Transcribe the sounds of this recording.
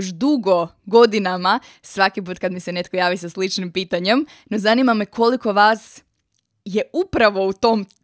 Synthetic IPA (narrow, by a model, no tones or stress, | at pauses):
ʃd̪uɡo̞ | ɡo̞d̪inama | sʋakip̬uːt̪kad̪mise̞ne̞t̪̚kojaːʋisaslit͡ʃnimpiːt̪aɲe̞m | no̞zanimamekʰo̞liko̞ʋaːs | je̞upɾaʋo̞ut̪o̞m